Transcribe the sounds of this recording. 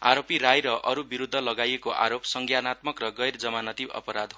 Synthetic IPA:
a̰ɾopiɾajɾʌʔʌɾubiɾud̪ʱːʌlʌɡajekoʔa̰ɾopsʌŋɡʱjanat̪mʌkrʌɡʌjrd͡zʌmanʌt̪ibʌ̰pʌɾad̪ʱɦ

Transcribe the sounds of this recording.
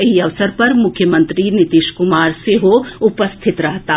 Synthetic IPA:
ɪɦiɐʋsəɾpɐɾmʊkʰjəmə̃nt̪ɾinɪt̪iʃkʊmaːɾseɦoʊpəst̪ʰɪt̪ɾɐɦt̪aː

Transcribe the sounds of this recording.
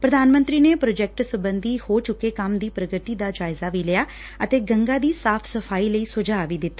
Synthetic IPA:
pɾəd̪aːnmə̃nt̪ɾiːneːpɾoːd͡ʒɛk̚ʈsəbənd̪iːhoːt͡ʃʊkːeːkəmd̪iːpɾəɡɾt̪iːd̪aːd͡ʒaːɪzaːʋiːlɪjaː | ət̪eːɡəŋɡaːd̪iːsaːpʰsəpʰaːiːləiːsʊd͡ʒaːʋiːd̪ɪt̪ːaː

